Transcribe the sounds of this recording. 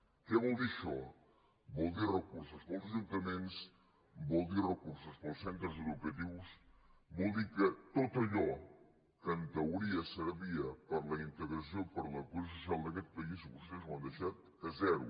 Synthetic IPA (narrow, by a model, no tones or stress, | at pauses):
kɛβɔlˠd̪iʃɔ | bɔlˠd̪irəkuɾsuspəlˠzəʒunt̪əmẽns | bɔlˠd̪irəkuɾsuspəlˠsɛnt̪ɾəzəðukət̪̬iwsbɔlˠd̪ikət̪ot̪əʎɔ | kənt̪əuɾiɐsəɾβiəpəɾlɐint̪əɣɾɐs̬jopəɾləkuɾs̬usialˠd̪əkɛt̪̚pəisβust̪eznwand̪əʃat̪ | əzɛɾṵ